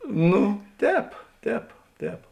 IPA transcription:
ˈnʊ ˈtʲɛːp ˈtʲɛːp ˈtʲɛːp

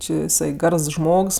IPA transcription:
t͡ʃʲɪ jɪˈsɐɪ ˈɡɐrs ˈʒmoːks

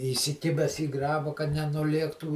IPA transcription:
iːsʲɪˈkʲɪbʲɛs iː ˈɡrɑːbɐ kɐt nʲɛnʊˈlʲiɛktuː

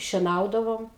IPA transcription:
ʃʲiɛˈnɐʊdɐʋoːm

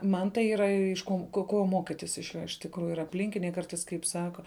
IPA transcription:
ˈmɐn tɐɪ ˈiːrɐ ɪʃ ˈkoːn ˈkoː ˈkoː ˈmoːkʲiːtʲɪs ɪʃ ˈjoː ɪʃ tʲɪkˈruːjʊ ɪr ɐpʲˈlʲɪŋʲkʲɪnʲɛɪ ˈkɐrtɐɪs kɐɪp ˈsɑːkɐ

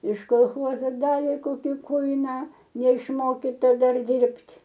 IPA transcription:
ɪʃ koːlˠˈxoːzoː ˈdɑːʋʲeː ˈkoːkʲɪ ˈkʊɪnɑː nʲɛɪʃˈmoːkʲɪtɐ ˈdɐr ˈdʲɪrʲpʲtʲ

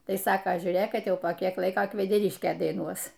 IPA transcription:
ˈtɐɪ ˈsɑːkɐ ʒʲuːˈrʲeːk ˈkɐt ˈjɛʊ poː ˈkʲiɛk ˈlˠɐɪkoː kʋʲɛdʲɛˈrʲɪʃʲkʲeː dɐɪˈnuɔs

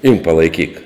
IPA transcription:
ɪmk pɐlˠɐɪˈkʲiːk

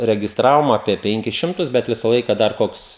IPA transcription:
rʲɛɡʲɪsˈtrɑːʋoːm ɐpʲiɛ ˈpʲɛŋʲkʲɪs ˈʃʲɪmtʊs bʲɛt ˈʋʲɪsɐ ˈlˠɐɪkɑː dɐr ˈkoːks

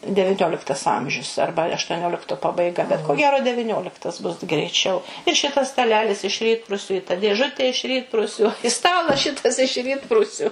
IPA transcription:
dʲɛʋʲɪˈnʲoːlʲɪktɐs ˈɐmʲʒʲʊs ˈɐrbɐ ɐʃtuɔˈnʲoːlʲɪktoː pɐbɐɪˈɡɐ bʲɛt koː ˈɡʲæːroː dʲɛʋʲɪˈnʲoːlʲɪktɐs bʊs ɡrʲɛɪˈt͡ʃʲɛʊ ɪr ˈʃʲɪtɐs stɐˈlʲæːlʲɪs ɪʃ ˈrʲiːtprʊsʲʊ ɪ tɐ dʲeːˈʒʊtʲeː ɪʃ ˈrʲiːtprʊsʲʊ ɪ ˈstɑːlˠɐs ˈʃʲɪtɐs ɪʃ ˈrʲiːtprʊsʲʊ

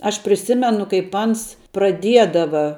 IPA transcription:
ɐʃ pʲrʲɪˈsʲɪmʲɛnʊ kɐɪp ˈɐns prɐˈdʲiɛdɐʋɐ

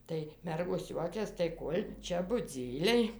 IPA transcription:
tɐɪ ˈmʲɛrɡoːs ˈjuɔkʲɛs tɐɪ ˈkoːlʲ ˈt͡ʃʲɛ bʊˈd͡zʲiːlʲɛɪ

